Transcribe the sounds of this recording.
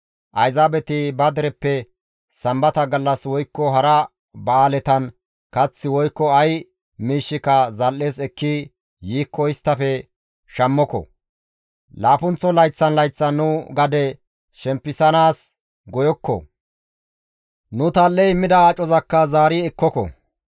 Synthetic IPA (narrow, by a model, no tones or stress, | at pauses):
ʔɐjzaːbɛt̪ɪbɐd̪ɛɾɛpːɛ | sɐmbɐt̪ɐɡɐlːɐswɔjkːɔɦɐɾɐ | bɐaːlɛt̪ɐn | kɐt͡sːɪwɔjkːɔɐj | miːʃːɪkɐzɐlːe̞ːsɛkːi | jiːkːɔɪst̪ːɐfɛ | ʃɐmːɔkɔ̰ | laːpʊnt͡sːɔlɐjt͡sːɐnlɐjt͡sːɐnːʊɡɐd̪ɛ | ʃɛmpːɪsɐnaːs | ɡɔjɔkːɔ̰ | nʊt̪ɐlːɛjmɪd̪ɐat͡ʃʼɔzɐkːɐzaːɾiɛkːɔkɔ̰